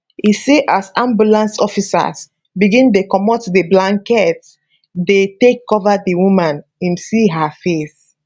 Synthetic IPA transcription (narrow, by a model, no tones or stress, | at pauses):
iseʔasãmbulãnsɔfisa̰s | biɡĩntekɔmɔtdəblãŋkɛt | detekːɔvadiwũmãn | ĩmsiɦafes